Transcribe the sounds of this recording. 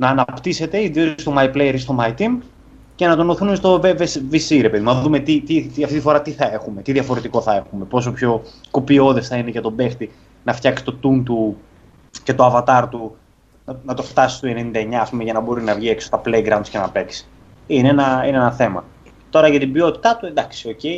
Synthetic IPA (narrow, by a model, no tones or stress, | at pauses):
nɐːnɐpt̪ise̞t̪e̞iðiost̪o̞mɐiplejeɾist̪omɐit̪im | ce̞nɐt̪o̞noθinumest̪o̞vevesvisiɾe̞pe̞ðimnɐðume̞t̪it̪it̪iɐft̪it̪ifo̞ɾɐt̪iθɐe̞xume̞t̪iðjɐfo̞ɾe̞t̪iko̞θɐe̞xume̞po̞s̬o̞pço̞ko̞pio̞ðe̞sθɐineʝɐt̪o̞be̞xt̪i | nɐft̪çɐksi̥t̪o̞t̪unt̪u | ce̞t̪o̞ɐvɐt̪ɐɾt̪u | nɐnɐt̪o̞ft̪ɐsi̥st̪ue̞nenind̪ɐeɲɐːspumeʝɐnɐbo̞ɾinɐvʝieksot̪ɐplejɡɾɐunscenɐpe̞ksi̥ | ineenɐineenɐθe̞mɐ̰ | t̪o̞ɾɐʝɐt̪ibio̞t̪i̥t̪ɐt̪uend̪ɐksi̥o̞ce̞i